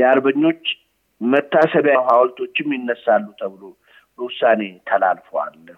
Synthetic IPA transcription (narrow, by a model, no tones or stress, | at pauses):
jɛaɾbəɲːo̞t͡ʃː | mət̪ːasəβjaɦawlt̪ʰo̞t͡ʃːɪmjɪnːəsalːut̪ʰəβlo | bəwʊsːanet̪ʰəla̰lfəwa̰lːə